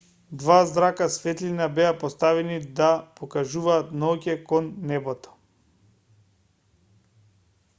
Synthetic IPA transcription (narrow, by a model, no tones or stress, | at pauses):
d̪vazd̪ɾakasfɛt̪linabɛapost̪avɛnid̪apokaʒuvaːt̪naɔcʲɛkɔnːɛbɔt̪ɔ̥